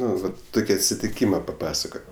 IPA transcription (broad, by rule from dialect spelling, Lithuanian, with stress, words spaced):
ˈnʊ ˈʋɐt ˈtʊkʲɪ ɐtʲsʲɪtʲɪˈkʲiːmɐ pɐˈpɑːsɐkoːtʲ